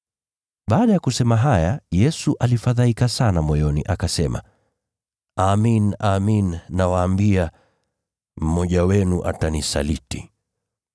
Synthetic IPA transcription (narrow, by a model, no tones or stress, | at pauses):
ɓaːɗajakusɛmaɦajajɛsuʔalifaðaikasanamɔjɔniʔakasɛma̰ | aminaminːawaːmbia | m̩mɔʄawɛnuʔa̰tanisa̰liti